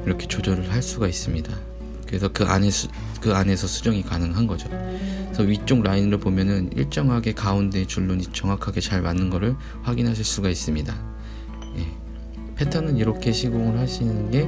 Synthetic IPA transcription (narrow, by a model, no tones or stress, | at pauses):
iɾʌkʰe̞t͡ɕod͡ʑʌɾɯɭɦaɭs͈uɡais͈ɯmɲida | kɯɾe̞sʰʌkɯʔa̰ne | kɯane̞sʰʌsʰud͡ʑʌŋikanɯŋɦanɡʌd͡ʑosʰʌɥit͡ɕ͈oŋɾainɯɾɯɭpomjʌnɯnḭɭt͡ɕ͈ʌŋɦaɡe̞kaunde̞t͡ɕuɭːoɲit͡ɕʌŋwakʰaɡe̞t͡ɕaɭmanːɯnɡʌɾɯɭ | ɸwaɡinɦaɕ̬ʰiɭs͈uɡais͈ɯmɲida | je̞ | pʰe̞tʰʌnɯniɾʌkʰe̞ɕʰiɡoŋɯɭhaɕʰinɯɯnɡe̞